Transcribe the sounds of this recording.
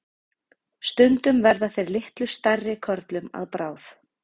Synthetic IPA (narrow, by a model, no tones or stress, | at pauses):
st̪ʏnt̪ʏmvɛɾðaθejɾlɪht̪lʏ̥st̪arːɪkʰœɾt̪lʏma̰ðpɾaːwf